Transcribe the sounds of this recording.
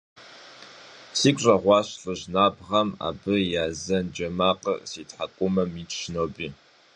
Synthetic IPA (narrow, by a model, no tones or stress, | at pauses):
siːkʷʼɕʼɐʁʷɑːɕɬʼɨʑnaːbʁɐma̰ːbɨjaːzɐnd͡ʒɐmaːqʼə̰siːtʼħakʷʼʊmɐmitʃnoːbiː